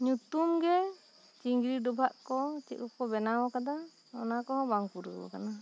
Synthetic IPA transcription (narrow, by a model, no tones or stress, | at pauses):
ɲut̪umɡɛ | t͡ʃiŋɡɾiɖɔbʱaʔkɔt͡ʃḭt̪̚kɔkɔbɛnawɔkad̪a | ɔ̰nakɔɦɔbaŋpuɾɡɔ̰bɔ̰kana